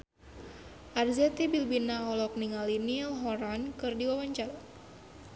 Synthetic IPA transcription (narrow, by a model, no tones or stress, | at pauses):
ʔarzɛt̪ibilbinaɔlɔk̚niŋalinialɦɔɾankɨrdiwawaɲt͡ʃal